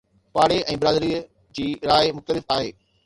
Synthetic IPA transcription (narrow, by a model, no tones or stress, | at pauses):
paːɽeʔɛ̃ːbɪɾaːd̪ɾiːə | d͡ʑiːɾaːɪmʊxt̪əlɪfaːɦḛː